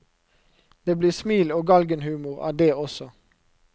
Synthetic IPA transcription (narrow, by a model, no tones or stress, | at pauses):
d̪̥eːbliːʁsmiːloːɡɑlɡənhʉːmʊʁɑ̰ːd̪eːɔsɔ